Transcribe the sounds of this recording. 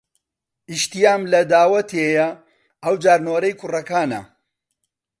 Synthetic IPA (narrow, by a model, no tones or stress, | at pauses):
ʔiʃt̪ijaːmlɐd̪aːwɐt̪ʰejɐ | ʔɐwd͡ʒaːɾnoːɾɐjkʰʊrɐkaːnɐ̰